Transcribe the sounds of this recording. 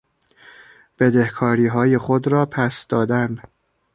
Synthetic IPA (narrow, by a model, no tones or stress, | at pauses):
b̥e̞d̪ehkʰɒːɾiːɦɒːje̞xod̪ɾɒːpʰæsd̪ɒːd̪æn